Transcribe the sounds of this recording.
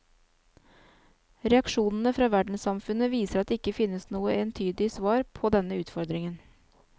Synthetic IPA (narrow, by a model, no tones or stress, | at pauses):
ɾɛɑkʃuːnn̩əfɾɑːʋæɖɳ̩sɑmfʉnəʋiːsəɾɑt̪̚ːɪkːəfɪnːəsnuːəʔeːnt̪ʰyːd̪ɪsʋɑːɾpʰɔd̪ɛnəʉːt̪fɔɾd̪ɾɪŋən